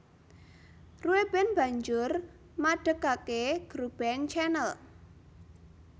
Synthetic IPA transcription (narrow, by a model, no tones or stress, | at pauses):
ruweb̥ɛnb̥a̤ɲd͡ʒʊr | maɖ̥ə̤kakeɡ̥ɾub̥ɛnt͡ʃɛnəl